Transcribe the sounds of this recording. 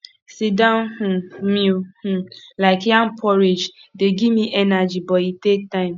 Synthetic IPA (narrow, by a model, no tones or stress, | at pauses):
sidãnhũmihũlaɪkjãm̩pʰɔɾed͡ʒdeɡimiʔɛnad͡ʒibɔitek̚tãɪ̃m